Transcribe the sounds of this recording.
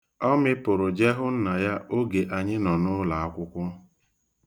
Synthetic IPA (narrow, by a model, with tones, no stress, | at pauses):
ɔ˦mɪ˦pʊ˨ɾʊ˨d͡ʒe˦ɦʊ˦n̩˦na˨ja˦ʔo˦ɡe˨ʔa˨ɲɪ˦nɔ˨nʊ˦la˨a˦kʷʊ˦kʷʊ˦